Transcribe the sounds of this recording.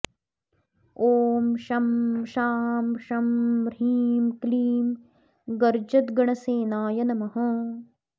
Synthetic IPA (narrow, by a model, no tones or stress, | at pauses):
oːmʃɐmʃaːmʃɐmɾiːmkliːm | ɡɐɾd͡ʒɐt̪ɡɐɳɐseːnaːjɐnɐmɐɦɐ̃